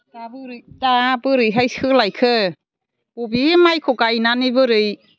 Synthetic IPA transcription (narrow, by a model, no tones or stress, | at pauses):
tabɯɾtabɯɾɯɦajshɯlajkʰɯ | bobimajkʰokainanibɯɾɯj